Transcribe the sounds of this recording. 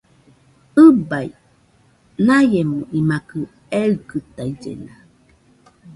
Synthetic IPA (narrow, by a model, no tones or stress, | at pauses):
ɯbaj | najemũʔimakɨ | eɯkɨt̪aid͡ʒḛna